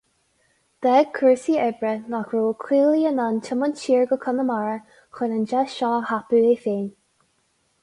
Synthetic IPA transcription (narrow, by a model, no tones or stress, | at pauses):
d̪̥ɛɡ̚kʰəɹsiɛbɹənakɹuːkʰiːliənantʰɪməntʰiːɹɡəkʰənəmaɹə | xənənd͡ʒɛʃɔːhapuefeːn